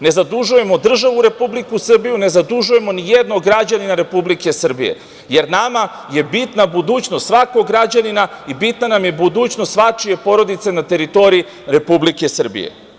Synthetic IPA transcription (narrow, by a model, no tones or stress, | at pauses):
ne̞zad̪uʒuje̞mod̪r̩ʒaʋuɾe̞publikusr̩bijune̞zad̪uʒuje̞mo̞nijed̪noɡɾad͡ʑaninaɾe̞publike̞sr̩bḭje̞̰ | je̞ɾnama | je̞bit̪nabud̪uːt͡ɕnost̪sʋakoɡɾad͡ʑaninaibit̪nanamje̞bud̪uːt͡ɕnost̪sʋat͡ʂije̞po̞ɾo̞d̪it̪se̞nat̪e̞ɾit̪o̞ɾii | ɾe̞publike̞sr̩bḭjḛ